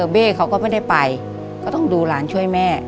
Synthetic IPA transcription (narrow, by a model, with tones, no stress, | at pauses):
beː˥˩kʰa˦wkɔː˥˩ma˥˩jda˥˩jpa˧j | kɔː˥˩t̪ɔ˥˩ŋduː˧laː˩˦nt͡ɕʰu˥˩əjmɛː˥˩